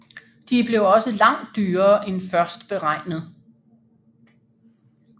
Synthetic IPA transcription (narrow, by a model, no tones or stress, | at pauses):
d̥ib̥le̝ʊɒ̽səlɑ̈ŋ̰d̥ːyːɐːʔenfɶɐsd̥b̥e̝ʁɑ̈ɪ̰nəð̞̩ˠ